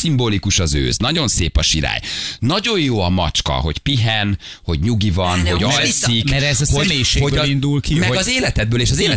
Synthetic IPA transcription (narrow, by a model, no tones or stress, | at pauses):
simboːlikuʃɒzø̰ːznɒɟo̞nseːpɒʃiɾa̰ːjnɒɟo̞jjoːɒmɒ̰t͡ʃkɒ̰ɦo̞ɟpiɦɛn | ho̞ɟɲuɡivɒnɦo̞ɟɒɛjsikɛɾɛzhomeːʃeho̞ɟind̪ulkimɛɡɒzeːlɛt̪ɛd̪̚bøːleːʃɒzeːlɛ